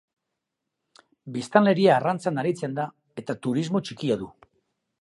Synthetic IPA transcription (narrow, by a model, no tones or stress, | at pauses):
bist̪anle̞ɾiaːrant͡sanaɾit͡se̞nd̪a | e̞t̪at̪uɾizmo̞t͡ʃikiaðu